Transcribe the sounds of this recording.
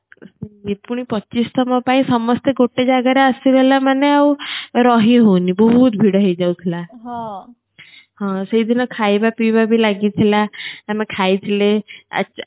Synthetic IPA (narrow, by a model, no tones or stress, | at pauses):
siɡit̪̚puɽ̃ipətːt͡ɕiːst̪ɔmapãĩsəmɔst̪eɡoʈːed͡ʑaɡaɾjaəsiʋɛlamaneauɾɔɦĩɦonibɔɦut̪̚bʱiɽəɦid͡ʑaut̪ʰlaɦa | ɦãseid̪inakʰajbapibabʱiːlaɡit̪ʰlaamakʰait̪ʰlea̰